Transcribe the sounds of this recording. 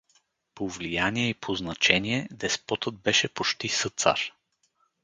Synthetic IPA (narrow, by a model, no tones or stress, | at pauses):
povlijaniɛipʰoznɐt͡ʃɛniɛd̪ɛspɔt̪ɤd̪̚bɛʃɛpot͡ʃt̪isɤt̪sa̰ɾ